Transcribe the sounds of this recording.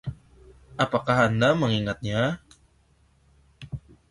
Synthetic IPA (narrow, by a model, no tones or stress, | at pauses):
ʔapakaɦanːamaŋiŋat̪̚ɲa